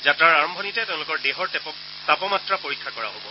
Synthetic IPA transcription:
zatɹaɹaɹɔmbʱɔnitɛteʊ̃lʊkɔɹdeɦɔɹtɛ | tapɔmatɹapoɹikʰːakɔɹa̰ɦobɔ

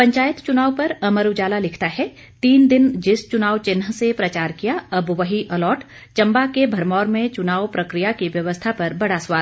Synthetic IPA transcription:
pɐ̃ɲt͡ʃaːjət̪t͡ʃʊnaːʋpɐɾɐməɾud͡ʒaːlalɪkʰt̪aɦɛ | t̪iːnd̪ɪnd͡ʒɪst͡ʃʊnaːʋt͡ʃɪnɦəsepɾɐt͡ʃaːɾkijaɐbʋɐɦiʔɐlɔːʈ | t͡ʃɐ̃mbakebʱɐɾmɔːɾmẽt͡ʃʊnaːwpɾɐkɾijakiʋjɐʋəst̪ʰapɐɾbɐɽasʋaːl

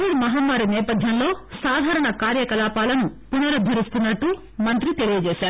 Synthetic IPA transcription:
ʋiɽmɐɦaːmːaːɾinɛːpɐd̪ʱjɐmlo̞ːsaːd̪ʱaːɾɐɳɐkaːɾjɐkɐlaːpaːlɐnupunɐɾɐd̪ʱːɐɾist̪unːɐʈːu | mɐnt̪ɾit̪e̞ɭijɐd͡ʒeːsaːɾu

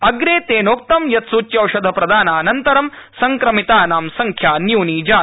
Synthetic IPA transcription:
ɐɡɾeːt̪eːnoːk̚t̪ɐmjɐt̪suːt͡ʃjɐwʃɐd̪ʱɐpɾɐd̪aːnaːnɐnt̪ɐɾɐmsɐŋkɾɐmit̪aːnaːmsɐŋkʰjaːnjuːniːd͡ʒaː

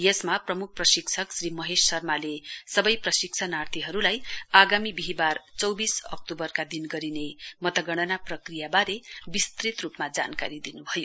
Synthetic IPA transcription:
jʌsmaprʌmuk̚ʰprʌsikt͡sʰʌksrimʌɦessʌrmalesʌbʌjprʌsik̚t͡sʰanart̪ʰiɦʌɾulajaɡamibiɦibart͡sʌwbisʌ̰k̚t̪obʌrkad̪inɡʌɾinemʌt̪ʌɡʌɽ̃ʌnaprʌkrijabaɾebist̪rit̪rupmad͡za̰nka̰ɾid̪inubʱʌjo

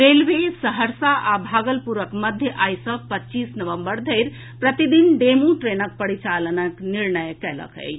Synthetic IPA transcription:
ɾelʋesəɦəɾsaʔabʱaɡəlpuɾəkməd̪ʱjəʔajsəpətːt͡ʃisnəʋəmbəɾd̪ʱəɪɾ | pɾət̪id̪inɖemuʈɾenək̚pəɽit͡ʃalənəkniɾnəjkɛlə̰kə̰ɪ

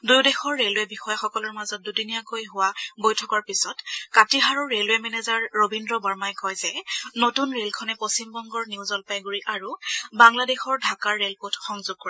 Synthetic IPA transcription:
dujdɛxɔɹːelʊɛbixɔjaxɔkɔlɔɹmazɔt̚dudinijakojɦʊwabojtʰɔkɔɹpisɔtkatiɦaɹɔɹːelʊɛmɛnɛzaɹːobindɹɔbaɹmajkɔjzɛnotunɹelkʰɔnɛposimbɔŋɡɔɹniuwzɔlpajɡuɹiʔaɹubaŋladexɔɹdʱakaɹːelpotʰxɔŋzʊɡ̚koɹɛ

